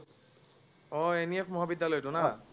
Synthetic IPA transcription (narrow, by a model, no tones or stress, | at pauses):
ɔeniepʰmɔɦabidʱːalɔjtʊna